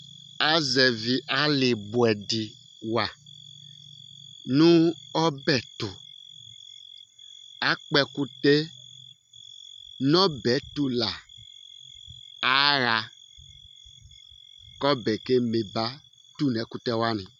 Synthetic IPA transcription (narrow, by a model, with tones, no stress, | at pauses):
a˦zɛ˨vi˨ʔa˨˦lɪ˨bu˨ɛ˨di˨ | wa˨ | nũ˦ɔ˦bɛ˨tu˨ | a˨˦k͡pɛ˧ku˦te˦ | nɔ˦bɛ˨˦tu˦la˨ | a˨˦ɾa˧ | kɔ˦bɛ˨ke˦me˨ba˦ | tu˦˨nɛ˨˦ku˦tɛ˦wa˦nĩ˨